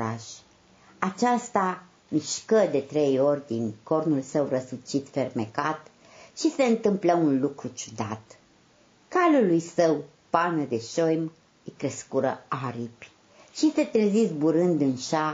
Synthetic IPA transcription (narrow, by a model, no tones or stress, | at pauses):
aʃʲ | at͡ʃast̪a | miʃkəd̪e̞t̪ɾe̞jo̞rʲd̪inko̞rnulsəwrəsut͡ʃit̪fe̞rme̞kat̪ | ʃise̞ɨnt̪ɨmpləunlukɾut͡ʃu̥d̪a̰t̪ | kalulujsəw | panəd̪e̞ʃojm | ikɾeskuɾəaɾipʲ | ʃise̞t̪ɾezisbuɾɨnd̪ɨnʃa